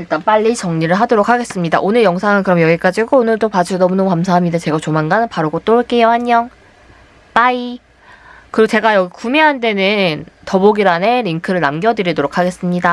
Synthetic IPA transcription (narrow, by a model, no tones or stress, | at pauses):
iɭt͈anp͈aʎːit͡ɕʌŋɲiɾɯɭɦadoɾok̚ʰaɡe̞s͈ɯmɲida̰ʔonɯɭjʌŋsʰaŋɯnkɯɾʌmjʌɡik͈ad͡ʑiɡoːnɯɭd͈opad͡ʑinʌmunʌmkams̬ʰaɦamɲidet͡ɕe̞ɡat͡ɕomanɡanpaɾoɡot͈oɭk͈ejʌhaɲːʌŋ | p͈ai | kɯɾiɡot͡ɕe̞ɡajʌɡikumeɦande̞nɯntʌboɡiɾaneɾiŋkʰɯɾɯɭnamɡʲjʌdɯɾidoɾokʰaɡe̞s͈ɯmɲida